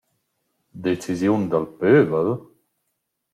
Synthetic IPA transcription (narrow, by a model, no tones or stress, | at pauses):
d̪et͡sizjund̪alpøːvəl